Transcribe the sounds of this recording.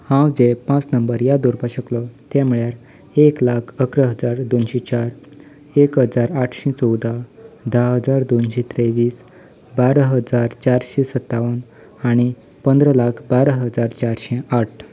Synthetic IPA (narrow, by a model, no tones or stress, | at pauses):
hãwd͡zepãt͡snəmbəɾjad̪uɾbaɕəklɔt̪ɛ̃mɭjaɾ | eklakʰəkɾəɦəd͡zaɾd̪onɕẽt͡ɕaɾ | ekɦəd͡zaɾaʈʰɕɛ̃t͡sɔwd̪ad̪ʱaɦəd͡zaɾd̪onɕẽt̪ɾeʋiːs | baɾəɦəd͡zaɾt͡ɕaɾɕesət̪ːaʋən | aɽ̃i | pənd̪ɾəlakʰbaɾəɦəd͡zaɾt͡ɕaɾɕɛ̃aʈ̚ʰ